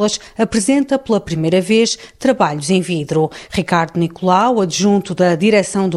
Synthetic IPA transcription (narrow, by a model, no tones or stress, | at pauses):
ɐʃ | ɐpɾɨzẽnt̪ɐplˠɐpɾimɐjɾɐveʃt̪ɾɐβaʎuzẽj̃viðɾuʁikaɾðunikulˠawɐdʒũnt̪uðɐðiɾɛsɐ̃w̃d̪u